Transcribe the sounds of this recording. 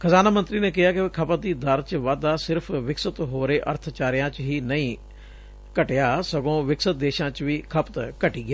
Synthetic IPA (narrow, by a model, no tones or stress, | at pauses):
kʰəzaːnaːmənt̪ɾiːneːkɪɦaːkɪkʰəpət̪̚d̪iːd̪əɾt͡ʃʋaːd̪aːsɪɾpʰʋɪksət̪ɦoːɾeːʔə̰ɾt̪ʰt͡ʃaːɾɪjãːt͡ʃɦiːnəĩː | kəʈejaːsəɡõːʋɪksət̪̚d̪eːʃãːt͡ʃʋiːkʰəpt̪kəʈiːɡɪaː